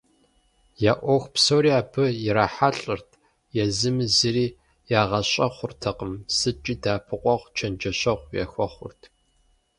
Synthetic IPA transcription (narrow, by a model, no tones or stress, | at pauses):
jaːʔʷoxʷpsowɾiːaːbʰɨjɪɾaːħaɬʼɨrtʰ | jɛzɨmɨzɨriː | jaːʁɐɕʼɐχʷʊrtʰɐqəmsɨt͡ʃʼiːdaːpʰɨqʷɔʁʷt͡ʃʰɐnd͡ʒɐɕʼɐʁʷjɛ̰xʷɔχʷʊ̰rtʰ